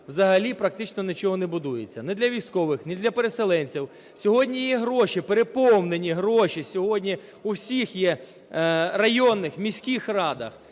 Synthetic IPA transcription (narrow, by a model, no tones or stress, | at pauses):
wzɐɦɐlʲipɾɐk̚t̪ɪt͡ʃnɔnʲɪt͡ʃɔɦɔnɛbʊd̪ujet͡sʲːɐnɛd̪lʲɐʋʲijsʲkɔʋɪxnɛd̪lʲɐpeɾeselˠɛnʲt͡sʲiw | sʲɔɦɔdʲnʲijɛɦɾɔʃipeɾepɔwnenʲiɦɾɔʃisʲɔɦɔdʲnʲi | uwsʲixjɛ | rɐjɔnːɪxmʲisʲkixrɑd̪ɐ̰x